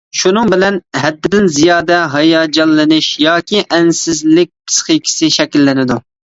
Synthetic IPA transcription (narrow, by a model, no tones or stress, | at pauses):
ʃunɨŋbɪlɛnɦɛd̪ːɪd̪ɪnzijɑːd̪ɛɦɑjɑːd͡ʒɑnːɨnɪʃjɑːkʲʰiʔɛnsɪzlɪk̚ʲpʰɨ̥sχikʲʰi̥sɪʃɛkʲilːɪnɪd̪u